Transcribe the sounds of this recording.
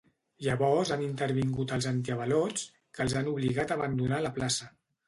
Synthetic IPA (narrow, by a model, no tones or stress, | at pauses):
ʒəβɔɾzanint̪əɾβiŋɡut̪əlˠzant̪̬iəβəlɔt͡s | kəlˠzanuβliɣat̪əβənd̪unaləplasə